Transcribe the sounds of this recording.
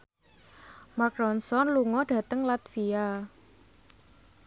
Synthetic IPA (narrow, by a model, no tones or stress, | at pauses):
makɾɔnsɔnluŋɔɖ̥ä̤t̪əŋlat̪fia